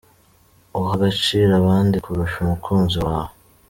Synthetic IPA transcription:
uɦaɡat͡ʃiɾaβaːndikʰuɾuʃumukʰuːnziwaːho

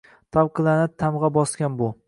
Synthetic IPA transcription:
t̪ʰavqʰɨlˠanɪt̪ʰamʁɑbɒskʲanbʊ

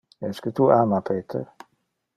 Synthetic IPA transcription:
ɛskət̪uʔamapʰeːt̪ʰə̰ɾ

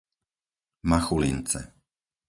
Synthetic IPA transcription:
maxulḭnt͡sɛ̰

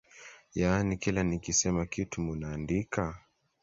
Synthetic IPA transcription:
janikilanikisɛmakitumunaːndika

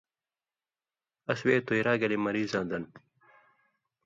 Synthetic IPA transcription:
ɐsweːt̪uiɾaːɡɐlimɐɾiːzãːnd̪ɐn

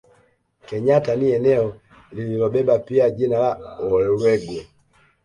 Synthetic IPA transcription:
kɛɲataniɛnɛɔ | lililɔbɛbapiad͡ʒinalaɔllwɛɡwɛ

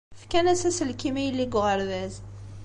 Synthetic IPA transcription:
fkænæsæsəlkimijəlːiɡʷʁəɾðæz

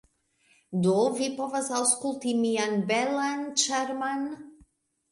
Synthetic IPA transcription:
dovipovasawskultimianbɛlant͡ʃɛɾman

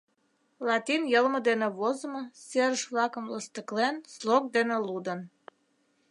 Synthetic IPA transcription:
lɑt̪injəlmə̆d̪enĕβozəmə̆seɾəʃvlɑkə̆mləst̪əklenslok̚d̪enĕlud̪ən

